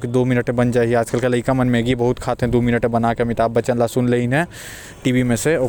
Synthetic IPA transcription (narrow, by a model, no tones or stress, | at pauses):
kid̪omɪnəʈẽbənd͡ʒaːiaːd͡ʒkəlkelɐikamənmeɡibɐɦʊt̪kʰaːt̪ɦɛ̃d̪oːmɪnəʈẽbɐnakemit̪aːp̚bət͡ʃənlasʊnleinɦɛ̃ | ʈiːʋimẽse